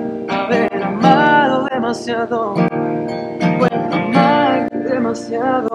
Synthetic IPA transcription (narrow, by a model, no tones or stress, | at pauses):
aβeɾamaðoðemasjaðo | kwet̪amaɾðemasjaðo